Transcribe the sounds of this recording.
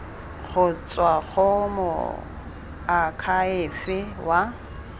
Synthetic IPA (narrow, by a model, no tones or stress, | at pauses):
χʰʊt͡sʼwaɣɔmʊ̰ | akʰaɪfɪwa